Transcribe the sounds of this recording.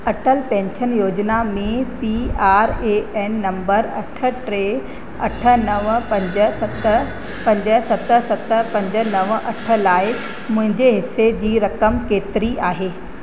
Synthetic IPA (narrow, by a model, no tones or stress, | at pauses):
ɐʈəlpɛ̃ːɲʃənjoːd͡ʑnamẽpiaːɾeɛːnːɐ̃mbəɾɐʈʰə̆ʈɾe | ɐʈʰə̆nɐʋpɐ̃ɲd͡ʑəsɐt̪ | pɐ̃ɲd͡ʑəsɐt̪ə̆sɐt̪ə̆pɐ̃ɲd͡ʑə̆nɐʋʔɐʈʰə̆laːɪk | mʊ̃ɦɪ̃ɲd͡ʑeɦɪsːed͡ʑiːɾɐkəmkeːt̪ɪɾiʔaːɦeː